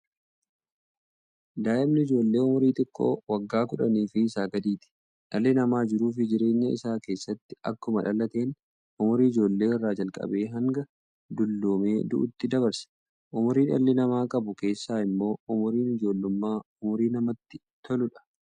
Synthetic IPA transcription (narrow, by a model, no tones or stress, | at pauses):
d̪aːʔɪbnɪɪd͡ʒo̞ːlːe̞ːʊmʊɾiːt̪ɪkʼːo̰ːwɐɡːaːkʊᶑɐniːfɪːsaːɡɐd̪iːt̪ɪ̥ | ᶑɐlːɪnɐmaːd͡ʒɪɾuːf̬ɪd͡ʒɪɾe̞ːɲːɐɪ̰saːke̞ːsːɐt̪ːɪ̥ʔɐkːʊmɐᶑɐlːɐt̪e̞ːn | ʔʊmʊɾiɪd͡ʒo̞ːlːe̞ːɪrːaːd͡ʒɐlkʼɐ̰be̞ːɦɐŋɡɐ | d̪ʊlːoːme̞ːd̪ʊ̰ʔʊ̰t̪ːɪd̪ɐβɐɾsɐ̥ | ʔʊmʊɾiːnɐ̰lːɪnɐmaːkʼɐbʊke̞ːsːaːɪmːo̞ːʊmʊɾiːnɪd͡ʒo̞ːlːʊmːaːʊmʊɾiːnɐmɐt̪ːɪ | t̪ʰɔlʊᶑɐ̥